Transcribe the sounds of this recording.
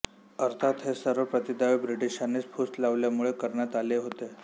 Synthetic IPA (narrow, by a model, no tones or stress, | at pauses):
əɾt̪ʰat̪ɦesəɾʋəpɾət̪id̪aʋibɾiʈiɕanit͡spʰust̪laʋljamuɭekəɾɳjat̪aleɦot̪e